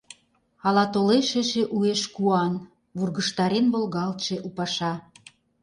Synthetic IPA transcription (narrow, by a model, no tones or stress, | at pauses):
ɑlɑt̪oleʃeʃeʔueʃkuɑn | βurɣəʃt̪ɑɾenβolɣɑlt̪ʃe̽ʔupɑʃɑ